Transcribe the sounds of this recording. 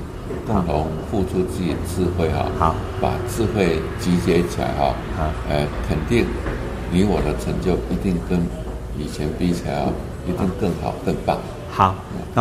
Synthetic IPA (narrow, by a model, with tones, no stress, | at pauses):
kʊ˥˩ŋt̪ʰʊ˧˥ŋ | fu˥˧ʈ͡ʂʰu˥t͡sɹ̩˥˩t͡ɕi˨˩dət͡sɹ̩˥˧xwe˥˧ɪxɑ̰˨˧˩ | pa̰˨˩t͡sɹ̩˥˧xwe˥˩ɪt͡ɕi˧˥t͡ɕjɛ˧˥t͡ɕʰi˨la̰˧˥ɪxɔ̰˥˧ | ə˧˩kʰə˨˩nt̪i˥˩ŋ | ni˧˥wɔ˨˩d̪ə˦ʈ͡ʂʰə˧˥ŋt͡ɕjo˥˩ʊi˧˥t̪i˥˩ŋkə˥n | i˨˩t͡ɕʰjɛ˧˥npi˥t͡ɕʰa̰˧˥ɪɑ̰˥˧˩ | i˧˥t̪i˥˧ŋkɤ˥˩ŋxɑ̰˨˩ʊkɤ˥˧ŋpa̰˥˩ŋ˧˩ | ɐ̰˨˩